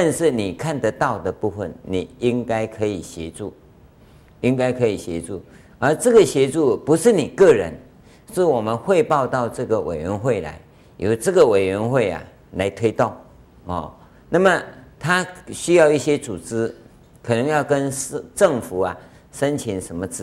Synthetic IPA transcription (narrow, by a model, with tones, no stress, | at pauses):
t̪a˥˧nʂɻ̩˥˩ni˨˩kʰa˥˨nd̪ə˨t̪ɑ˥˩ʊd̪ə˨pu˥˧fə̰˨nni˨˩i˦˥ŋka˥ɪkʰɤ˧˦i˨˩ɕjɛ̰˧˥t͡su˥˩ | i˦˥ŋka˥ɪkʰɤ˧˦˥i˨˩ɕjɛ̰˧˥˦t͡su˥˩ | ə˧˥t͡sɤ˥˩ɡə˨˩ɕjɛ˧˥t͡su˥˩pu˧˦ʂɻ̩˥˩ni˨˩kɤ˥˩ɻə̰˧˦n | ʂɻ̩˥˩wɔ˨˩mə˦nxwe˥˧ɪpɑ˥˧ʊt̪ɑ˥˧ʊt͡sɤ˥˩ɡə˨wʔḛ˨˩ɪɥɛ˧˥nxwe˥˩ɪla̰˧˦ɪ | jo˨˩ʊt͡sɤ˥˩ɡə˨we˨˩ɪɥɛ˧˥nxwe˥˩ɪa̰˨˩ | la˧˥ɪt̪ʰwe˥ɪt̪o˥˩ŋ | ɔ̰˥˧˩ | na˥˩mə˨˩t̪ʰa˥ɕy˥jɑ˥˧ʊi˥˩ɕjɛ˥t͡su˨˩t͡sɹ̩˥ | kʰɤ˨˩nə˧˥ŋjɑ˥˩ʊkə˦nʈ͡ʂɤ˥˩ŋfu˨˩˦ɐ˨˩ | ʂə˦nt͡ɕʰi˧˥nʂə˧˥nmə˧t͡s̩˥